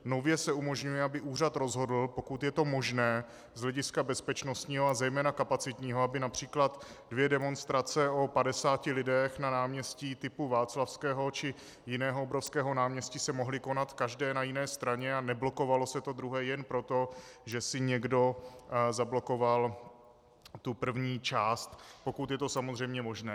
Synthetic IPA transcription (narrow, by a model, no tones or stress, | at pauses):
no̞vjɛsɛumo̞ʒɲujɛabɪʔuːr̝at̪ɾo̞zɦo̞dl̩po̞kut̪jɛt̪o̞mo̞ʒnɛː | zɦlɛɟɪskabɛspɛt͡ʃno̞st̪ɲiːɦoazɛjmɛːnakapat͡sɪt̪ɲiːɦoabɪnapr̝̥iːklat̪ | dvjɛdɛmo̞nst̪ɾat͡sɛo̞padɛsaːcɪlɪdɛxnanaːmɲɛsciːt̪ɪpuvaːt͡slafskɛːɦo̞t͡ʃɪ | jɪnɛːɦoobɾo̞fskɛːɦo̞naːmɲɛscɪsɛmo̞ɦlɪko̞nat̪kaʒdɛːnajɪnɛːst̪ɾaɲɛanɛblo̞ko̞valo̞sɛt̪o̞d̪ɾuɦɛːjɛnpɾo̞t̪o̞ʒɛsɪɲɛɡdo̞zablo̞ko̞val | t̪upr̩vɲiːt͡ʃaːst̪po̞kut̪jɛt̪o̞samozr̝ɛjmɲɛmo̞ʒnɛː